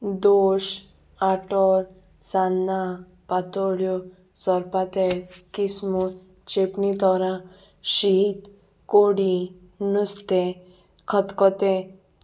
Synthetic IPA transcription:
d̪oːʃ | aʈɔɾ | sanːa | pat̪oɽjo | sɔɾpat̪eɾkismu | t͡ʃepnit̪ɔɾã | ʃit̪ | koɽi | nust̪e | kʰət̪kɔt̪e

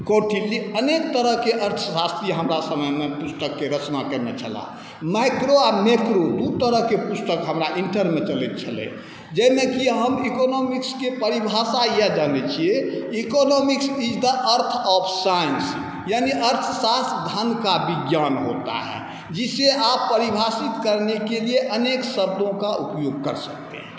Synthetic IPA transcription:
koʈʰiliənek̚t̪əɾəɦkeʔəɾt̪ʰəsast̪iɦəmɾasəməjmepust̪əkːeɾət͡ʃnakəɾnet͡ʃʰə̰la̰ | majkɾoamekɾod̪ut̪əɾəɦkepust̪əkɦəmɾaʔiɳʈəɾmet͡ʃəlɛt̪̚t͡ʃʰəlɛ̰̃ | d͡ʒɛmekiɦəmikonɔmikskepəɾibʱasajɛd͡ʒanɛt͡ʃʰieikɔnɔmiksid͡ʒd̪əʔəɾt̪ʰɔpʰsajəns | janiʔəɾt̪ʰsasd̪ʱankabiɡjanɦo̰t̪a̰ɦɛ̰ | d͡ʒiseʔapːəɾibʱasit̪kəɾnekelieʔəneksəbd̪ʱõkaʔupjoɡ̚kəɾsək̚t̪ḛɦɛ̃

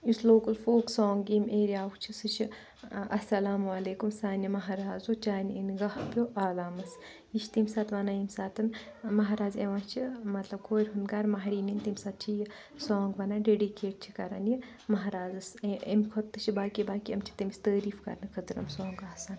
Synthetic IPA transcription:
usloːkɐlfoːksɔːŋɡimeːɾiaːkt͡ʃʰisɨt͡ʃʰi | ɐ̰sɐlaːmɐleːkumsaːnimɐɦaɾaːzoːt͡ʃaːnḭnɡɐhpjoʔaːlaːmɐs | it͡ʃʰt̪imʲsaːt̪ʋaːnaːjimsaːt̪ʰɨnmɐɦaɾaːzeʋãːt͡ʃʰimɐt̪lɐb̚kʰoːɾʲɦund̪ɡaːɾmɐɦɾiːnint̪imʲsaːt̪̚t͡ʃʰiji | sɔːŋɡʋɐnaːɖeɖikeːʈ̚t͡ʃʰikɐɾa̰nji | mɐɦɾaːzɐsemkʰot̪ːɨt͡ʃʰibaːkibaːkiɐmt͡ʃʰi̥t̪imisʲt̪əːɾiːfkɐ̰ɾnɨkʰɐt̪ɾɐ̰msɔ̃ːŋɡaːsaːn

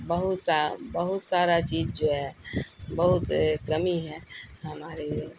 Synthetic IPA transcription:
bəɦʊt̪sabəɦʊt̪saːɾat͡ʃiːd͡ʒd͡ʒoːɦɛbɐɦʊt̪kɐmiɦɛ̃ɦɐmaːɾe

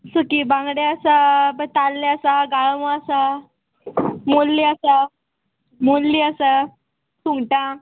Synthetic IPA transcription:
sukibãŋɡɽeasabət̪alːeasaɡaɭmaasa | molːiasa | molːiəsa | suŋɡʈã

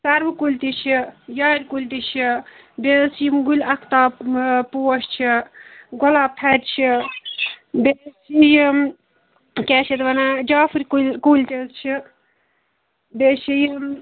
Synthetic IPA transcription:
sɐɾbɨkulʲt̪it͡ʃʰijaːɾʲkulʲt̪it͡ʃʰi | besijimɡulʲɐkʰt̪aːpuːʃt͡ʃʰiɡɔlaːp̚t̪ʰɐɾʲt͡ʃʰi | besiji | kʲɛːʃʰit̪ʋɐnad͡ʒaːfɨɾʲkkulʲt̪est͡ʃʰi | beʃʰiji

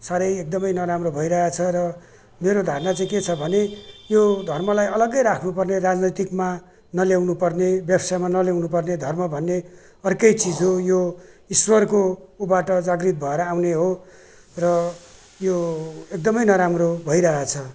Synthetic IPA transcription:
saɾʌjek̚d̪ʌmʌjnʌɾamrobʱʌiɾʌɦat͡sʰʌɾʌ | meɾod̪ʱarnʌt͡saĩket͡sʰʌbʱʌnejod̪ʱʌrmʌlajʌlʌɡʌjɾakʰnupʌrnerad͡znʌjt̪ikma | nʌljawnupʌrnebjʌbsamanʌljawnupʌrned̪ʱʌrmʌbʱʌnːe | ʌrkʌjt͡sid͡zɦojo | iswʌrkoubaʈʌd͡zaɡrit̪̚bʱʌeɾʌawneɦo | rʌ | joek̚d̪ʌmʌjnʌɾamrobʱʌiɾʌɦat͡sʰʌ

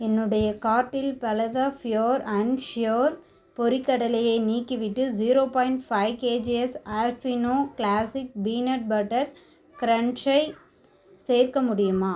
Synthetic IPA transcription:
ɛnːɯɽɐjɐkaːʈːɪlpɐlɐðaːfɪjoːɾɐɳʃjoːɾ | pɔɾɪkːɐɽɐlɐjɐɪniːkːiʋɪʈːɯd͡ʒiːɾoːpaːjɪɳʈfɐɪkeːd͡ʒiɛsaːlfinoːklaːsɪk̚biːnɐʈ̚bɐʈːɐɾ | kɪɾɐɳt͡ʃɐɪ | seːɾkɐmʊɽɪjɯmaː

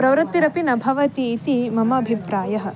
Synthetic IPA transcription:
pɾɐʋɾut̪ːiɾɐpinɐbʱɐʋɐt̪iːt̪imɐmɐːbʱipɾaːjɐɦɐ̆

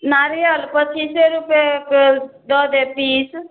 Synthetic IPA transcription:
naːɾeəlpət͡ʃʰiːseːɾʊpekd̪ɔːd̪eːpiːs

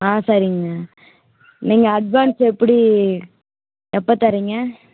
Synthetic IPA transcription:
aːsɐɾɪŋɡɐ | niːŋɡɐːɖʋaːnsɛpːɐɽi | ɛpːɐt̪ɐɾiŋɡɐ

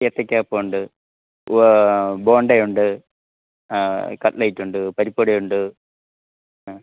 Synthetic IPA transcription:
et̪ːɐkʲːaːpːouɳɖɨ | bo̞ːɳɖɐjuɳɖɨ | kɐʈlɐjitːuɳɖɨpɐɾipːoɽɐjuɳɖɨ

